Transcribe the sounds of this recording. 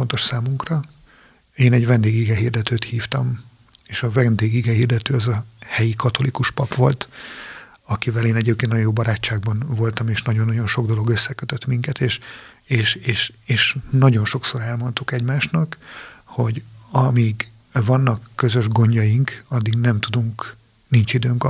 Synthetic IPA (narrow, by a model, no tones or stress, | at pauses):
ont̪o̞ʃsaːmuŋkrɒ | eːnɛɟvɛnd̪eːɡiɡɛɦiːrd̪ɛt̪øːt̪hiːft̪ɒm | eːʃɒvɛnd̪eːɡiɡɛhiːrd̪ɛt̪øːɒzɒhɛjikɒt̪o̞likuʃpɒpʋo̞lt̪ | ɒkivɛleːnɛɟeːp̚keːnnɒjoːbɒɾaːt͡ʃːaːɡ̚bɒnvo̞lt̪ɒmeːʃnɒɟonːɒɟo̞nʃo̞ɡd̪o̞lo̞ɡøsːɛkøt̪øt̪miŋkɛt̪eːʃ | eːʃeːʃeːʃnɒɟo̞nʃo̞kso̞ɾɛlmo̞nt̪ukɛɟmaːʃnɒkho̞ɟɒmiɡ | vɒnːɒkːø̞zø̞ʒɡo̞ɲɟɒjiŋkɒd̪ːiɡnɛmt̪ud̪uŋk | nint͡ʃid̪øːŋk